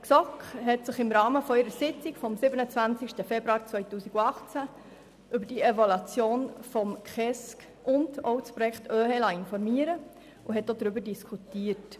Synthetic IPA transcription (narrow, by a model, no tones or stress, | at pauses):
ksɔkχhɛtsɪχɪmɾɑːməfɔiɾəsɪt͡sɪkfɔmsɪbənət͡sʋænt͡sɪkʃtəfɛbɾuɑːɾt͡svœɪtuːsiɡuɑχt͡sæ | ʔybəɾd̥ievɔlɑt͡sjoːnfɔmχɛsk | ʔʊndɔʊspɾɔjɛkχtøːhɛlɑɪnfɔɾmiːəɾə | ʊɦɛt̚dodɾʏbəɾdiskʰχutiːərt